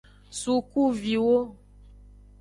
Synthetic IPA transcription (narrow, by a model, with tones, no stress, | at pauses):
su˨ku˦vi˨wo˦